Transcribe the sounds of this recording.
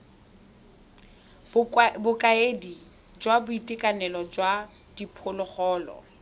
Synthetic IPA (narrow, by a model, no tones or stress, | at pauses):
bʊkʼaedi | d͡ʒwabʊitʼɪkʼanɛlɔd͡ʒwa | d̥ipʰʊlʊχɔːlɔ̰